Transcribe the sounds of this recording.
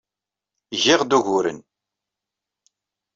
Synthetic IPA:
ʝɪʁd̪uʝʊɾə̰n

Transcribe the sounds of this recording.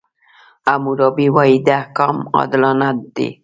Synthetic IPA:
amuɾɑbiwaid̪ahkɑmɑ̰d̪lɑnat̪̚d̪ḛ

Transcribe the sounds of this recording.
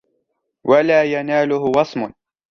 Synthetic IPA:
walaːjanaːlʊhʊwɑsˤmʊn

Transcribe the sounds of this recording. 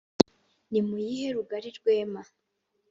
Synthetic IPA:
nimujiheɾuɡaɾiɾɡwe̞ːma

